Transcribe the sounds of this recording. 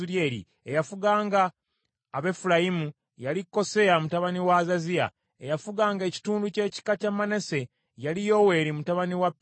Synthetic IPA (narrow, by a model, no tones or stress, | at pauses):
uɾjeːɾḭ | ejafuɡaːŋɡaː | βe̞fulajimu | jalikːo̞se̞amutaβaniwazazia̰ | e̞jafuɡaːŋɡe̞ci̥tuːnduce̞ːci̥kacamːanese̞ | jalijo̞we̞ːɾimutaβaniwapː